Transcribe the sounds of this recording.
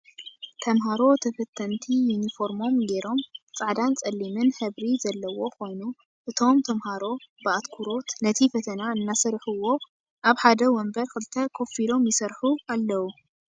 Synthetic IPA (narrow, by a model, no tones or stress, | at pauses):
t̪ʰɐmɦaɾo̞t̪ʰɐfɐt̪ʰːɐnt̪ʰijunifo̞ɾmo̞mɡe̞ɾo̞mt͡sʼaʕd̪ant͡sʼɐlːimɨnhɨβɾizɐlːɐwo̞ko̞jnu | ʔɨt̪ʰo̞mt̪ʰɐmhaɾo̞bɨat̪kʰuɾo̞t̪nɐt̪ʰifɐt̪ʰɐnaɨnːasɐɾħuwo̞ | ʔaβħad̪ɐwɔmbɐɾkɨlɨt̪ʰɐkʰo̞filo̞mjɪsɐɾħualːɐwu